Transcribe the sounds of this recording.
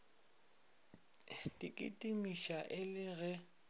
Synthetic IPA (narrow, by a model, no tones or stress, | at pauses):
dikʼḭtʼimiʃaʔɪlɪɣɛ